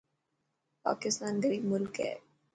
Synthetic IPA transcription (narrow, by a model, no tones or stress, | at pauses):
pa̰ːkɪst̪aːnd̪eɾimʊlkɦɛ̰ː